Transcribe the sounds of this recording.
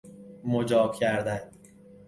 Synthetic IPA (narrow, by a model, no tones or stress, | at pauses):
mod͡ʒɒːbcʰæɾd̪æn